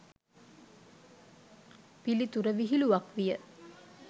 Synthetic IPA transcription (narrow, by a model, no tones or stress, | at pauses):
pilit̪uɾəʋiɦiluʋakʋijə